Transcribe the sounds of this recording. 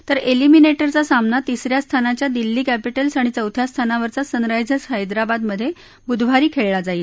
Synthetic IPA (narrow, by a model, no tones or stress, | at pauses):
t̪əɾelimineʈəɾt͡sasamnat̪isɾjast̪ʰanat͡ɕjad̪ilːiːkæpiʈəlsaɽ̃it͡səwt̪ʰjast̪ʰanaʋəɾt͡sasənɾajd͡zəsɦəjd̪ɾabad̪məd̪ʱːje | bud̪ʱʋ̤aɾiːkʰeɭɭad͡zaiːt̪